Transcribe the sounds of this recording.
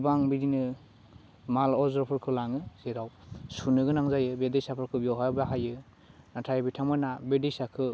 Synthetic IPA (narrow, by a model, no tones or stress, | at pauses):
baŋbiɾinɯ | malɔzɾɔpʰɯɾkʰɯlaŋɯz̥eɾaw | sunɯɡɯnaŋzajɯbedesapʰɯɾkʰɯbjɔwɦajbaɦajɯ | natʰajbitʰamɯnabedisakʰɯ